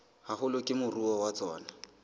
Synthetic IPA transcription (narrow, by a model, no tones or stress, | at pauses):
hahʊlʊkʼɪmʊruɔwat͡sɔːna